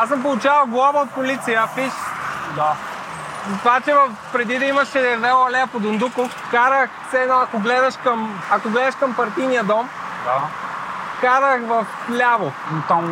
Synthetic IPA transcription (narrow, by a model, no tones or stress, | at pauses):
asɐmpolˠʊt͡ʃavɐlˠɡlˠɔvəot̪̚polit̪sijəfiʃd̪a | t̪vat͡ʃɛvɐfpɾɛd̪id̪ɐimɐʃɛd̪ɛɾvɛɐlɛɐpod̪ʊnd̪ukof | kaɾəxfsɛɛnɔɐkoɡlɛd̪ɐʃkɐm | ɐkoɡlɛd̪ɐʃkɐmpɐɾt̪inijəd̪ɔm | d̪a | kaɾəxvɐf | lʲavo | t̪am